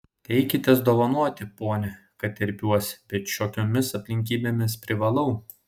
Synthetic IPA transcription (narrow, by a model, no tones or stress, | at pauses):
t̪ʲɛɪkʲɪt̪ʲeɛsd̪oːʋɐnuɔt̪ʲɪpoːnʲɛ | kɐt̪ʲɛɾʲpʲuɔsʲbʲɛt̪ʃʲoːkʲoːmʲɪsɐpʲlʲɪŋʲk̬ʲiːbʲeːmʲɪspʲɾʲɪʋɐlˠɐʊ